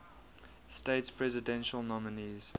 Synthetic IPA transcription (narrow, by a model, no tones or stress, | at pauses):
steɪtspʰɹɛzɪdɛ̃nʃəlˠnɔmɪniz̥